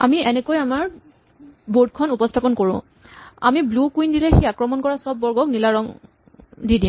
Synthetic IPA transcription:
a̰miɛnɛkojamaɹ | bod̚kʰɔnupɔstʰapɔnkoɹʊ̰̃ | a̰miblukuindilɛxiakɹɔmɔnkɔɹasɔbːɔɹɡɔknilaɹɔŋ | didĩm

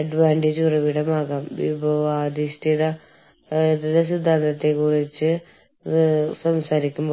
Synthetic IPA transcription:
ɐɖʋaːɳɖed͡ʑurɐʋiɽɐmaːɣaːmḭpoaːd̪iʂʈiɽɐ | eðɐlɐs̬id̪ʱːaːnd̪ɐt̪ːekːurit͡ɕːɨ | sɐmsaːɾikʲːumbo

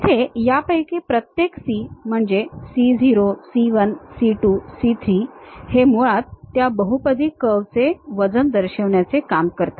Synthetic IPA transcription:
t̪ʰejapəjkepɾət̪jeksim̤əɳd͡zesid͡zʱiɾosiʋənsiʈuːsit̪ʰɾiːhemuɭat̪ːjabəɦupəd̪iːkəʋt͡seʋəd͡zənd̪əɾɕəʋɳjat͡sekamkəɾt̪a

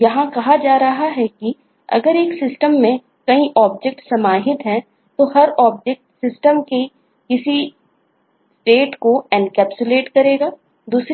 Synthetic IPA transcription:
jɐɦãkɐɦad͡ʒaːɾɐɦaɦɛki | ɐ̰ɡəɾeːksɪsʈəmːẽ | kɐĩʔɔːb̚d͡ʒɛk̚ʈsɐmaːɦɪt̪ɦɛ̃ | t̪ohɐɾɔːb̚d͡ʒek̚ʈsɪsʈəmke | kɪsi | sʈeːʈkoɛnkɛːpt͡ʃʊleːʈkɐɾeːɡaː | d̪uːs

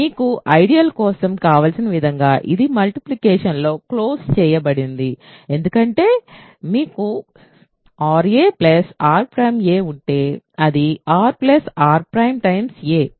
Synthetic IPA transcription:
miːkuʔɐjɖijɐlkɔːsɐmkaːʋaːlsinɐʋid̪ʱɐŋɡaːʔid̪imɐlʈiplikɛːʂɐnlo̞ːklo̞ːst͡ʃɛːjɐbɐɽind̪ie̞nd̪ukɐɳʈe̞ː | miːku | aːɾeːplɐsaːɾpɾɐjmeːuɳʈe̞ːɐd̪iaːɾplɐsaːɾpɾɐjmʈɐjmseː

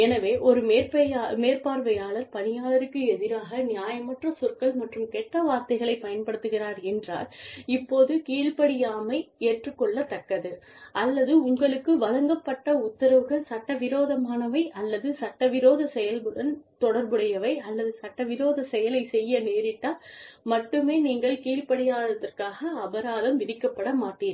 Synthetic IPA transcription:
ɛnɐʋeːʔɔɾɯmeːɾpɐjameːɾpaːɾʋɐjaːɭɐɾpɐnɪjaːɭɐɾɯkːɯɛðɪɾaːɣɐnɪjaːjɐmɐʈrɐsʊɾkɐɭmɐʈrɯmkɛʈːɐʋaːɾt̪ɐɪɣɐɭɐɪpːɐjɐnpɐɽɯt̪ːɯɣɪraːɾɛndra̰ːlɪpːoːðɯkiːɭpɐɽɪjaːmɐɪeːʈrɯkːɔɭːɐt̪ːɐkːɐðɯʔɐlːɐðɯʊŋɡɐɭɯkːɯʋɐlɐŋɡɐpːɐʈːɐʊt̪ːɐɾɐʋɯɣɐɭsɐʈːɐʋɪɾoːðɐmaːnɐʋɐɪʔɐlːɐðɯsɐʈːɐʋɪɾoːðɐsɛjɐlmɯɽɐnt̪ɔɽɐɾbɯɽɐjɐʋɐɪɐlːɐðɯsɐʈːɐʋɪɾoːðɐsɛjɐlɐɪsɛjːɐneːɾɪʈːaːmɐʈːɯmeːniːŋɡɐɭkiːɭpɐɽɪjaːðɐðɐrkaːɣɐːbɐɾaːðɐmʋɪðɪkːɐpːɐɽɐmaːʈːiːn

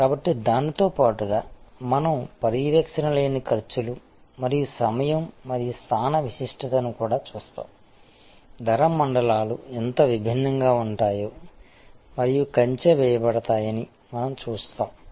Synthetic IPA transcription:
kaːbɐʈːid̪aːnit̪o̞ːpaːʈuɡaːmɐnɐmpɐɾiʋeːkʂɐnɐle̞ːnikʰɐɾt͡ʃulu | mɐɾijusɐmɐjɐmːɐɾijust̪ʰaːnɐʋisiʂʈʰɐt̪ɐnukuːɽaːt͡ʃuːst̪a̰ːm | d̪ʱɐɾɐmːɐɳɖɐlaːluɛnt̪ɐʋibʱinːɐŋɡaːuɳʈaːjo̞ː | mɐɾijukɐɲt͡ʃeʋɛːjɐbɐɽɐt̪aːjɐni | mɐnɐmt͡ʃuːst̪aːm

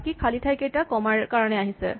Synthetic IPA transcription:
kikʰalitʰajkejtakɔmaɹkaɹɔnɛaɦisɛ̰

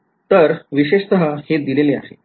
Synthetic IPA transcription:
t̪əɾʋiɕeʂsəɦəhed̪ilelea̰ɦḛ

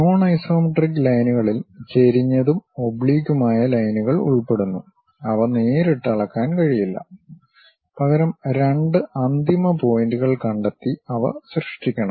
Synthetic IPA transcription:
noːɳɐjso̞ːmiʈrikːlɐjnuɣɐɭilt͡ɕe̞ɾiɲːɐðumobɭiːɣumaːjɐlɐjnuɣɐɭṵɭpe̞ɽunːu | ɐʋɐneːɾeʈːɐɭɐkːaːnkɐɻijilːɐ̰ | pɐɣɐɾɐmɾe̞ɳɖɨʔɐnd̪imɐpo̞ːjinduɣɐɭkɐɳɖɐt̪ːiɐʋɐ̰ɕrɨʂʈːikʲːɐɳɐm

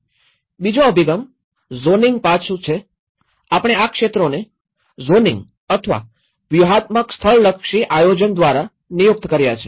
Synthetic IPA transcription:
bid͡ʒoəbʱiɡəm | zoniŋɡ̚pat͡ʃʰũt͡ʃʰe | apɽ̃eakʃet̪ɾone | zonĩŋɡ | ət̪ʰəʋa̰ | ʋjuɦat̪̚məkst̪ʰəɭləkʃiʔajod͡ʒənd̪ʋaɾa | nijuk̚t̪kəɾjat͡ʃʰe̥

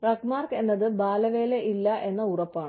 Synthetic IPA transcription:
rɐkmaːrke̞nːɐðɨbaːlɐʋe̞ːleʔilːɐʔe̞nːɐurɐpːaːɳɨ

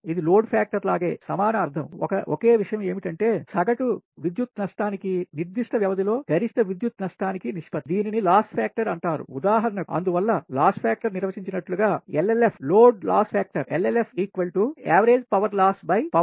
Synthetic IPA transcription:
id̪iloːɖpʰaːk̚ʈɐɾlaːɡe̞ːsɐmaːnɐɐɾd̪ʱɐmɔ̰kɐʔoke̞ːʋiʂɐjɐme̞ːmiʈɐɳʈe̞ːsɐɡɐʈuʋid̪jut̪nɐʂʈaːnikiniɾd̪iʂʈɐʋjɐʋɐd̪ʱilo̞ːɡʱɐɾist̪ɐʋid̪jut̪nɐʂʈaːnikiniʂpɐd̪iːninilaːsʈpʰaːk̚ʈɐɾɐɳʈaːɾṵud̪aːɦɐɾɐnɐɐ̰nd̪uʋɐlːɐlaːsʈpʰaːk̚ʈɐɾniɾʋɐt͡ʃiɲt͡ʃinɐʈluɡaːelelepʰloːɖla̰ːspʰaːk̚ʈɐɾelelepʰiːkʋɐlʈuaːʋɐɾeːd͡ʒpɐʋɐɾlaːsbɐjpɐ

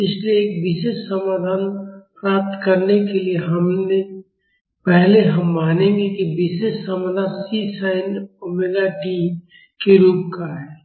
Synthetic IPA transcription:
ɪslieeːk̚ʋɪʃeːʃsəmaːd̪ʱaːnpɾaːp̚t̪kɐɾnekelieɦɐmne | pɛɦleɦɐmːaːnẽŋɡekiʋɪʃeʃsəmaːd̪ʱaːnsisaːɪnomeːɡaʈiːm | keɾuːp̚kaɦɛː

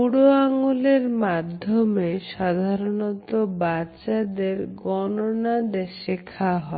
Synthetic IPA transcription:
uɽoaŋuleɾmad̪ʱːomeʃad̪ʱaɾonɔt̪obat͡ɕɕad̪eɾɡɔnonad̪eʃekʰaɦɔe

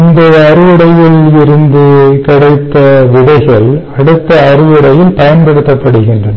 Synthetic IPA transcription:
nd̪ɐɐɾɯʋɪɽɐjɪlɪɾɯnd̪ɯkɐɽɐɪt̪ːɐʋɪðɐɪɣɐɭɐɽɯt̪ːɐːrɯʋɪɽɐjɪlpɐjɐnpɛɽɯt̪ːɐpːɐɽɯɣɪndrɐnɐ

